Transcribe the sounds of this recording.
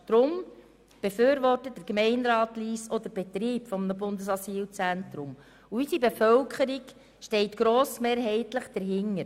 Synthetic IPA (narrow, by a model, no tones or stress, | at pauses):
d̥ɾʊm | b̥eføːɾʋɔrtəd̥əɾkmɛɪnɾɑːtliːsɔd̪əɾb̥ɛt̪ɾiːpfɔmənəbʊndəsɑsiːlt͡sæntɾʊm | uysibefœwkχəɾiɡ | ʃtɛɪtɡ̥ɾoːsmeːɾɦɛɪtləχd̥əɾɦɪŋːəɾ